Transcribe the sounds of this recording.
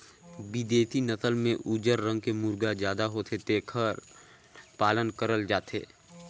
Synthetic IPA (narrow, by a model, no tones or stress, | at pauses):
bɪd̪eːt̪ʰinət̪əlmẽʔuːd͡ʒəɾːə̃ŋɡ̚kemuɾɡazjaːd̪aɦoːt̪ʰet̪eːkʰəɾ | paːlənkəɾəld͡ʒaːt̪ʰḛː